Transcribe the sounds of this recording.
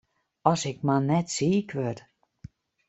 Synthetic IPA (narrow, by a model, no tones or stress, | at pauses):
ɔsɪk̚manɛtsiːkʰʋøt